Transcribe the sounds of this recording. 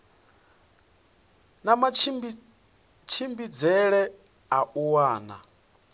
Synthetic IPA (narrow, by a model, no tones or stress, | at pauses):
nama | t͡ʃʰimbid͡zɛɺɛ | aʔuwaːna̰